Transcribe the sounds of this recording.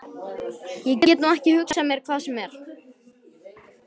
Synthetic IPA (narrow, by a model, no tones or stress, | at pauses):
jɛcɛːcɛːt̪nuɛhcɪhʏksasamjɛɾ̥kʰvaːðsɛmɛɾ̥